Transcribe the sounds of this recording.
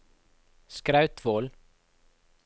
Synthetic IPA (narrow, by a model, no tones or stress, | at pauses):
skɾɑʉt̪ʰʋoːl